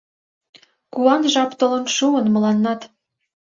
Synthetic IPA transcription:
kuɑnʒɑpt̪ŏlə̆nʃuənmə̆lɑnːɑt̪

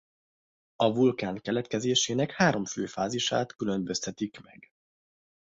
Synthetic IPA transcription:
ɒvulkaːŋkɛlɛt̪kɛzeːʃeːnɛkhaːɾo̞mføːfaːziʃa̰ːt̪kylømbøst̪ɛt̪ikmɛ̰ɡ

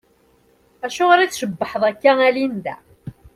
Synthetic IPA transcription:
æʃʊʁəɾiθʃəbːəħəðˤækːæælind̪æ̰

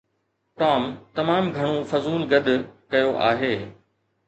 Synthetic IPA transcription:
ʈɔːmt̪ɐmaːmɡʱɐɽ̃ofɐzuːlɡɐd̪ʱkɐjoʔa̰ːɦeː

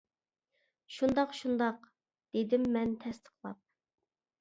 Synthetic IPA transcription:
ʃund̪ɑqʃund̪ɑq | d̪̥ed̪ɪmːɛnt̪ʰɛst̪ʰə̥qlˠɑ̰p̚

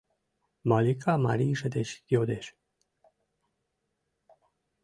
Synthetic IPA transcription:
malikʰama̰ɾiːʃəd̪eʃkiod̪eʃ

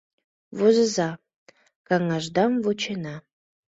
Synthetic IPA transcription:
vozəzɑ | kɑŋɑʒd̪ɑmvot͡ɕenɑ

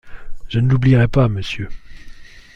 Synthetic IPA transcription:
ʒ̥ənəlubliʁɛpaməsjø

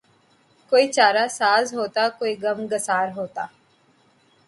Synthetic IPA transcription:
koːiːt͡ʃaːɾasaːzɦoːt̪aːkoːiɡəmɡəsaːɾɦoːt̪aː

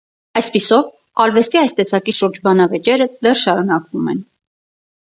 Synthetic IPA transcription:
ɑjspisɔvɑlvɛst̪iɑjst̪ɛsɑkiʃuɾd͡ʒbɑnɑvɛt͡ʃɛɾəd̪ɛrʃɑɾunɑkvumɛn

